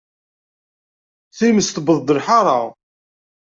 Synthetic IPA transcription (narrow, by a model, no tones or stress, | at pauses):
θiməst̪bəðˤd̪ːəlħɑɾˤɑ̰